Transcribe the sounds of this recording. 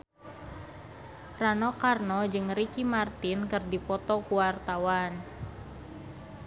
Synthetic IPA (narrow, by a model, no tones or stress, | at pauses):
ranɔkarnɔd͡ʒɨŋrikimart̪inkɨrdipɔt̪ɔkuwart̪awan